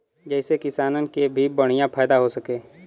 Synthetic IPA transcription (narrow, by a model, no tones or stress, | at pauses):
d͡ʒɛːɪsekɪsaːnənkebʱibəɽ̤̃ijãpʰɛːd̪aɦosɐkeː